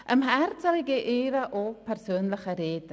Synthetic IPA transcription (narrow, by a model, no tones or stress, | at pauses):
ʔəmɦɛɾt͡saliɡeʔeːɾaʔopʰɛɾsøːnləxəɾeːd̪ə